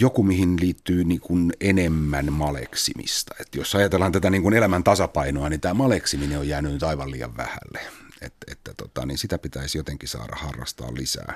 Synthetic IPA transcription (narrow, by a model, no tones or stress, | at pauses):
jokumihinliːt̪ːyːniːŋkunenemːænmɑlḛksimḭst̪ɑet̪josɑjɑt̪elhɑnt̪æt̪æniːŋkunelæmænt̪ɑsɑpɑinoɑnint̪æːmɑleksimineojæːnynyt̪ɑiʋɑlḭːjɑ̰ʋʋæ̰hæ̰lːeet̪et̪ːæt̪ot̪ɑ̰niːnsit̪æpit̪æisjot̪eŋkisɑ̰ːɾɑ̰hɑrːɑ̰st̪ɑ̰ːllisæ̰ː